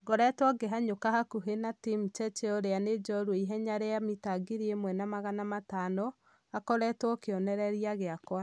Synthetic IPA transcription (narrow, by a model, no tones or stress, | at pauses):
ɡɔɾɛtwɔɡeɦaɲokaɦakuɦenatimt͡ʃɛt͡ʃeoɾeaned͡ʒɔɾueiɦɛɲaɾeamitaɡiɾiemwɛnamaɣanamatanɔ | akɔɾɛtwɔkeɔnɛɾɛɾiaɣeakwa